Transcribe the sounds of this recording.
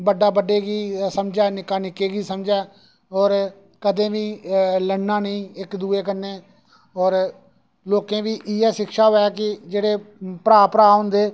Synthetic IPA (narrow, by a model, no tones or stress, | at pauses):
bəɖaːbəɖeːɡiːsəmd͡ʒɛːnɪkaːnɪkeːɡiːsəmd͡ʒɛː | ɔːɾ | kəd̪ẽːʋiːləɳːãːnəĩːɪkd̪uːeːkənːẽː | ɔːɾ | loːkẽːʋiːʔiːɛːʃɪkʃaːɦoːɛːkɪd͡ʒeːɽeːpɾaːpɾaːɦʊ̃nd̪eː